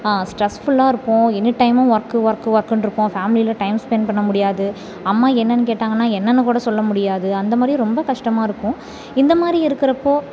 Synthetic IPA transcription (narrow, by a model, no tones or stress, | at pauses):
aːsʈɾɛsfʊɭːaːɪɾɯpːʊ̃ːɛnːɯʈɐɪmɐ̃ʋɐɾkːɯʋɐɾkːɯʋɐɾkːɯnɾɯpːõːfaːmɪlilɐʈɐɪmspɛnpɐɳːɐmʊɽɪjaːðɯ | ɐmːaːɛnːɐnːɯkeːʈːaːŋɡɐnːaːɛnːɐnːɯkuːɽɐsɔlːɐmʊɽɪjaːðɯɐnd̪ɐmaːd̪ɾiɾɔmbɐkɐʂʈɐmaːɪɾɯkːʊ̃ | ɪnd̪ɐmaːd̪ɾiɪɾɯkːɪɾɐpːoː